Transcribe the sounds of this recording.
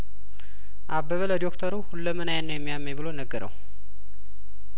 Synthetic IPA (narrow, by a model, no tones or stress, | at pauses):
ʔabəβələd̪okt̪ʰəɾuhulːəmənajanːəjɛmːijamːeβɨlonəɡːəɾə̰w